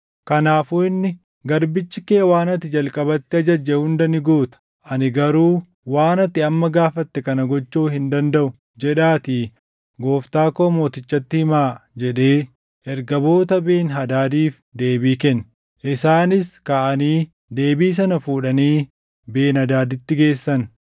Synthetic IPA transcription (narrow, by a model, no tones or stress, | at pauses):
kɐnaːfuːɪnːɪ | ɡɐɾbɪt͡ʃːɪkeːwaːnɐt̪ːɪd͡ʒɐlkʼɐbɐt̪ːɪɐd͡ʒɐd͡ʒːɛhʊnd̪ɐnɪɡuːt̪ɐ̥ | ʔɐnɪɡɐɾuː | waːnɐt̪ːɪɐmːɐɡaːfɐt̪ːɛkɐnɐɡɔt͡ʃːuːhɪnd̪ɐnd̪ɐʔʊ | d͡ʒɛᶑaːt̪iː | ɡo̞ːft̪aːkoːmo̞ːt̪ɪt͡ʃːɐt̪ːɪhɪmaːd͡ʒɛᶑe̞ː | ʔɛɾɡɐbo̞ːt̪ɐbe̞ːnɦɐd̪aːd̪iːf | d̪e̞ːbiːkɛn | ʔɪsaːnɪskaːʔɐniː | d̪e̞ːbiːs̬ɐnɐfuːᶑɐniː | be̞ːnɐd̪aːd̪ɪt̪ːɪɡe̞ːsːɐn